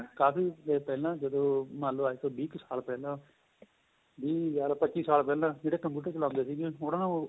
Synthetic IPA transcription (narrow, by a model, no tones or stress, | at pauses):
kaːpiːeːpɛːlãːd͡ʒəd̪õːmaːlõːaːiːt̪oːbiːksaːlpɛːlãː | biːjaːlaːpətːʃiːsaːlpɛːlãːd͡ʒeːɽeːkəmpjuːʈəɾt͡ʃəlãːʊ̃nd̪eːsiːɡeːonãː